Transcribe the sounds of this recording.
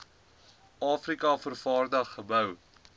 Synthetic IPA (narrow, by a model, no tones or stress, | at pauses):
ɑːfrikɐfərfɑːrdɐχːəbəw